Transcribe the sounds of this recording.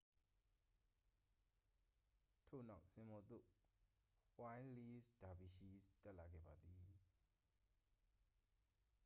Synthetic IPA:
tʰo̰˦˨na˦˨ʊʔsɪ̃˨mɔ˨d̪o̰˦˨ | hwã˦ɪ̃nli˦sd̥a˨bi˨ʃi˦stɛ˦ʔla˨ɡɛ̰˦˨ba˨d̪i˨

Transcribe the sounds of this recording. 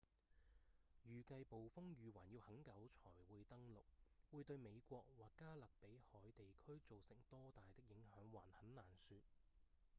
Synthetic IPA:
jyː˨kɐ˧jpo˨wfʊ˥ŋjyː˨waː˨˩nji˧whɐ˨˥ŋkɐ˨˥wt͡ʃʰɔː˨˩jwuː˨˧jt̪ɐ˥ŋlʊ˨k̚wuː˨˧jt̪ɵ˧ɥme˨˧jkʷɔː˧k̚waː˨˩kkːaː˥lɐ˨k̚pe˨˥jhɔː˨˥jt̪e˨jkʰɵ˥ɥt͡so˨wsɪ˨˩ŋt̪ɔː˥t̪aː˨jt̪ɪ˥k̚jɪ˨˥ŋɦœː˨˥ŋwa̰ː˨˩nhɐ˨˥nnaː˨˩nsyː˧t̚

